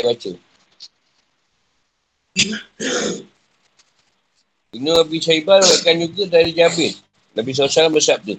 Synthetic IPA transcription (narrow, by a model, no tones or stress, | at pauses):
bat͡ʃə | inəabisaibalakand͡ʒuɡədaɾid͡ʒabɪt̪̚ | labihs̬asalaməsap̚di